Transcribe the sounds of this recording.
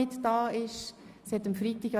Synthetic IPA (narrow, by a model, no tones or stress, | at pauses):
ɪtd̥ɑːɪʃshɛt̪əmfɾiːt̪iɡɑ